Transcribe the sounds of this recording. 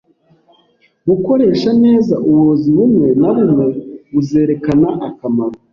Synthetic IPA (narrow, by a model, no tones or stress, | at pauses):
ɡuko̞ɾe̞ːʃane̞ːzaʔuβoziβumŋwe̞naβumŋe̞βuze̞ːɾe̞kanaʔakamaɾo